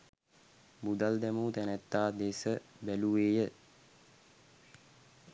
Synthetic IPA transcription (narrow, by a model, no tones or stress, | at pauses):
bud̪ald̪ɛmuːt̪ænɛt̪ːaːd̪eːsəbæluʋeːjə